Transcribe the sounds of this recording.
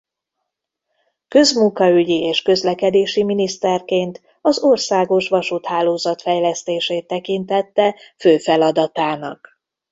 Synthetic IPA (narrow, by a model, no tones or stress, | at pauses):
kø̞zmuŋkɒyɟieːʃkø̞zlɛkɛd̪eːʃiminist̪ɛrkeːnt̪ | ɒzorsaːɡo̞ʃʋɒʃut̪haːloːzɒt̪fɛjlɛst̪eːʃeːt̪ːɛkint̪ɛt̪ːɛføːfɛlɒd̪ɒt̪aːnɒ̰k